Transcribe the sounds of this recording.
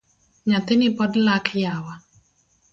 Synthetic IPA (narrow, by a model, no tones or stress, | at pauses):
ɲat̪ɪnɪpɔdlakʰjawa